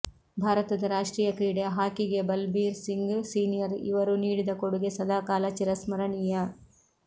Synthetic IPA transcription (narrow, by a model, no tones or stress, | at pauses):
bʱaːɾɐt̪ɐd̪ɐɾaːʂʈɾiːjɐkɾiːɽeɦaːkiɡe̞bɐlbiːɾsiŋɡsiːnijɐɾḭʋɐɾuniːɽid̪ɐkoɽuɡesɐd̪ʱaːkaːlɐt͡ʃiɾɐsmɐɾɐɳijɐ